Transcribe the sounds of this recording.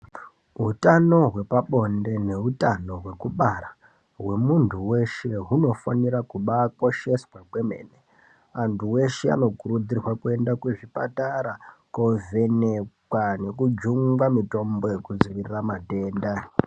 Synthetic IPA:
ɦutano̞ɦwe̞paɓo̞nde̞ne̞ɦutano̞ɦwe̞kuɓara | ɦwe̞muntʰuwe̞ʃe̞ɦuno̞fanirakuɓako̞ʃe̞swaɡwe̞me̞̰ːne | antʰuwe̞ʃe̞a̰no̞kuɾud͡zirwakue̞ndakweʐipa̰taɾakove̞nekwane̞kud͡ʒuŋɡwamito̞mbo̞je̞kud͡ziʋiriramate̞ːnda

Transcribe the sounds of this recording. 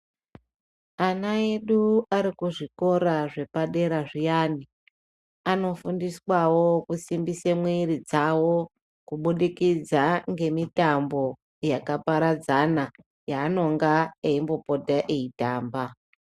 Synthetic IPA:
anaeɗuaɾikuʐiko̞ɾaʐe̞paɗe̞ɾaʐijaːni | ano̞fundiswawo̞kusimbisemweɾid͡zawo̞ | kuɓuɗikid͡zaŋɡe̞mitambo̞ | jakapaɾad͡zana | jaːno̞ŋɡaeimbo̞po̞taʔeitaːmba

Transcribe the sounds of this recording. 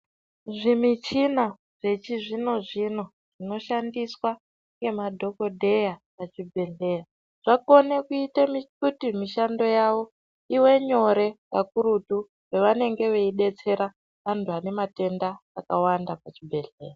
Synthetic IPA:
ʐimit͡ʃina | ʐe̞t͡ʃiʐino̞ʐino̞ | ʐ̥ino̞ʃandiswa | ŋɡe̞madʱo̞ko̞dʱe̞japat͡ʃibʱe̞ɮe̞ːja | ʐ̥ako̞nekuitemikutimiʃando̞jaʋo̞ | iwe̞ɲo̞ɾe̞jakuɾutu | weʋane̞ŋɡe̞ʋeiɗe̞t͡se̞ɾa | ʋantuane̞mate̞ndaːkawandapat͡ʃibʱe̞ɮe̞̰ːja

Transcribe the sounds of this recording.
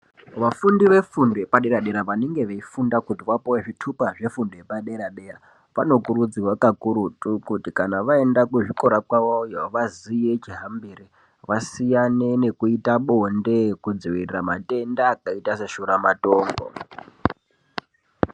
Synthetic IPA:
ʋafundiʋe̞fundopaɗe̞ɾaɗeɾaʋaneŋɡe̞ʋeifundakutiʋapoweʐitʰupaʐe̞fundojepaɗeɾaɗera | ʋano̞kuɾud͡ziwakakuɾutʼukutikanaʋae̞ndakuʐikoɾakwawojaʋazije̞t͡ʃiɦambiɾi | ʋasijane̞ne̞kuitaɓonde̞kud͡ziʋirirama̰te̞ndaːkaitase̞ʃuɾamato̞ːŋɡo̰

